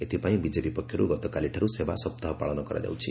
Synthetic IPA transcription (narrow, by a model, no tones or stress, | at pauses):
et̪ipaĩbid͡zepipɔkʰjʌɾṵɡʌt̪ɔkaliʈʰaɾusebasʌb̚t̪aɦpaɭɔnɔkʌɾa̰d͡ʒa̰wt͡sʰi